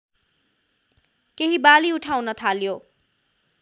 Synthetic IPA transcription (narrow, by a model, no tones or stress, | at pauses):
keɦibaliuʈʰawnʌt̪ʰaljo